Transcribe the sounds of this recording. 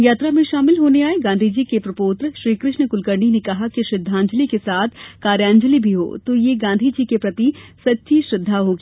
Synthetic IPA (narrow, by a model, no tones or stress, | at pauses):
jaːt̪ɾamẽʃaːmɪlɦoːneaːeɡãːnd̪ʱid͡ʒikepɾɐpoːt̪ɾəʃɾiːkɾɪʃnəkʊlkəɾɳinekɐɦakiʃɾɪd̪ʱːãːɲd͡ʒəlikesaːt̪ʰkaːɾjãːɲd͡ʒəlibʱiɦo̰ːt̪ojeɡãːnd̪ʱid͡ʒikepɾɐt̪isɐtːʃiʃɾɪd̪ʱːaɦoːɡiː